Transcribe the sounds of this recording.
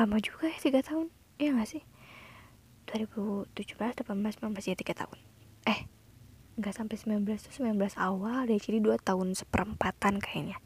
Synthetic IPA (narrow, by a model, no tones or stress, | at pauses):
lamad͡ʒuɡajat̪iɡat̪aʊn | jaŋasɪh | d̥uaɾibut̪ud͡ʒuhbəlasdapanbəlasmilanblasid͡ʒat̪iɡat̪a̰ʊn | ɛh | ŋɡasampajsəmbilanbəlast̪u̥səmilanbəlasawalat͡ʃiɾiduat̪aʊnsə̥pəɾəmpat̪ankaina